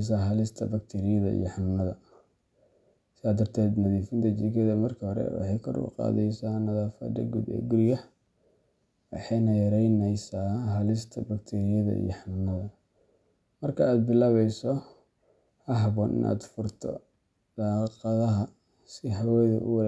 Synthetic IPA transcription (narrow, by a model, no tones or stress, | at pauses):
s̬aːɦɐlɪst̪ʰɐ̰bɐk̚t̪ʰiːɾɪjɐðɐ̰ḭjɔħannɐðɐ | sɪaːd̪ːɐrt̪ʰɛːd̪nɐðiːfɪnt̪ʰɐt͡ʃiːkʰɐðɐmɐrkʰɐhɔɾɛ̰wɑ̰ħɑjkʰɔ̰ɾʊ̰qɑ̰ːðɛjsaːnɐðaːfɐ̰d̪ɐ̰ɡuːd̪ɛ̰ːɡʊrjɐh | wɑ̰ħɑjnɐjɐɾɛjnɛjsaːɦɐlɪst̪ʰɐbɐkt̪ʰiːɾɪjɐðɐ̰ʔḭjɔħannɐðɐ | mɐrkʰɐaːd̪̚bɪlaːβɛjsɔ | hɐɦɐβɔːnʔɪ̰nʔa̰ːd̪fʊrt̪ʰɔ̰ | d̪̥ɑːqɑðɐɦɐ | sɪɦɐwɛːðɛ̰ʔʊw